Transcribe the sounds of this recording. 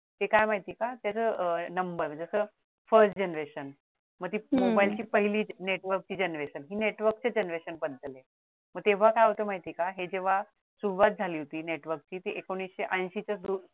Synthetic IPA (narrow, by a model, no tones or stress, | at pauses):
t̪ekajmaɦit̪iːkat̪jat͡sənəmbəɾd͡zəsəː | fəɾsʈ̚d͡ʑenɾeɕən | məɡ̚t̪iːmobailt͡ɕiːpəɦiliːneʈʋəɾk̚t͡ɕiːd͡ʑenɾeɕənɦiːneʈʋəɾk̚t͡ɕed͡ʑenɾeɕənbəd̪ʱəle | məɡ̚t̪eʋ̤akajaɦot̪əmaɦit̪iːkaɦed͡ʑeʋ̤a | suʋat̪̚d͡zʱaliːɦot̪iːneʈʋəɾk̚t͡ɕiːt̪iʔekoɽ̃isɕeʔə̃j̃ɕit͡ɕad̪u